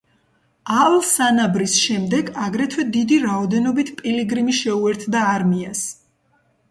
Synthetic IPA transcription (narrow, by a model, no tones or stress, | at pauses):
avlˠsanabɾisʃɛmd̪ɛɡaɡɾɛt̪ʰwɛd̪id̪iɾaɔd̪ɛnɔbit̪ʰpʼiliɡɾimiʃɛuɛɾt̪ʰd̪aːɾmias